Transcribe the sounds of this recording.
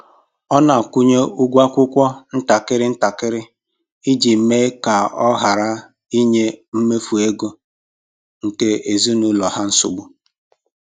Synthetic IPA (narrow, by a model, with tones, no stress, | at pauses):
ɔ˦na˨ku˦ɲe˦u˦ɡʷa˦kʷʊ˦kʷɔ˦n̩˦ta˨kɪ˦ɾɪ˦n̩˦ta˨kɪ˦ɾɪ˦ | i˦d͡ʒi˨me˦ka˨ɔ˦ɦa˨ɾa˦ | i˦ɲe˦m̩˦me˦fu˨e˦ɡo˦ | ŋ̩˨ke˦e˨zi˦nu˨lɔ˨ɦa˦n̩˦sʊ˦bʊ˦